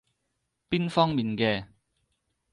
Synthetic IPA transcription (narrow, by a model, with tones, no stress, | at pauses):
piː˥nfɔː˥ŋmiː˨nkɛː˧